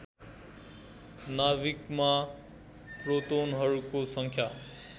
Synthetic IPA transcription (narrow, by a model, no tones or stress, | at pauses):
naβikma | prot̪onɦʌɾukosʌŋkʰja